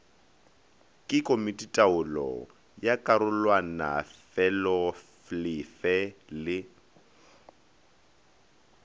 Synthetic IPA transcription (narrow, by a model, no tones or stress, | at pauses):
kʼɪkʼomitʼitʼaʊlɔ̰ | jakʼaɾʊlwana̰fɛlɔflɪfɛlɪ